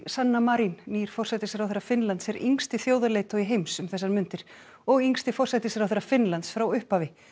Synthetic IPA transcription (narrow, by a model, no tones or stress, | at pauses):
sanːamaɾinniːɾ̥fɔrsɛt̪ɪsɛɾawθɛɾːafɪnlant̪sɛɾiŋst̪ɪθjoːwðaleːjt̪ɔiɦejmsʏmθɛsːaɾmʏnt̪ɪɾ̥ | ɔɣiŋst̪ɪfɔr̥sat̪ɪsɛɾawθɛɾafɪnlant̪sfɾawʏhphavɪ